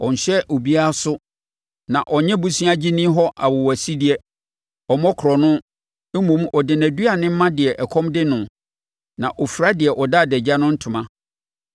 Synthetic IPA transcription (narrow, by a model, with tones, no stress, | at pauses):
ɔ˨ɲ̩˨ɕɛ˦ʔo˨bi˦a˦sʊ˦ | nã˨ʔɔ˨ɲɛ̃˦bu˦sĩ˦a˦d͡ʑi˦nĩ˦ɦɔ˦ʔa˨wʊ˨wæ˨si˦dɪ˦ɛ˦ | ɔ˨mɔ̃˦kʰɾɔ˨nʊ̃˦ | m˦mõ˨mʔɔ˨dɪ˨næ˨du˦a˨nɪ̃˦m̩˦mã˦dɪ˨ɛ˨ʔɛ˨kʰɔ̃˦mdɪ˦nʊ̃˨ | nã˨ʔɔ˨fu˨ɾa˦dɪ˨ɛ˨ʔɔ˨da˦˨dɛ˨d͡ʑa˦nʊ̃˦n̩˦tʰʊ̃˨mã˦